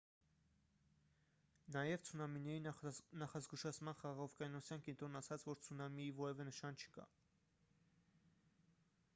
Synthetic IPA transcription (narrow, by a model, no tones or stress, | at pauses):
nɑjɛvt͡sʰunɑminɛɾinɑχɑzɡuʃɑt͡sʰmɑnχɑʁɑʁɔfkɑjnɔsjɑnkɛnt̪ɾɔnɑsɑt͡sʰvɔɾt͡sʰunɑmijivɔɾɛvɛnəʃɑnt͡ʃʰə̥kɑ̰